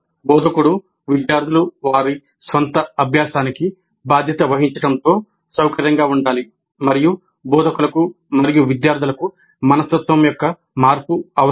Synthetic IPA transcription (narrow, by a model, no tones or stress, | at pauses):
bɔːd̪ʱɐkuɽu | ʋid̪jaːɾd̪ʱuluʋaːɾi | sʋɐnt̪ɐɐbʱjaːsaːniki | baːd̪ʱjɐt̪ɐʋɐɦiɲt͡ʃɐɽɐnt̪o̞ː | sɐwkɐɾjɐŋɡaːuɳɖaːli | mɐɾiju | bɔːd̪ʱɐkulɐku | mɐɾijuʋid̪jaːɾd̪ʱulɐku | mɐnɐst̪ɐt̪ʋɐmjɔkːɐ | maːɾpuɐɐ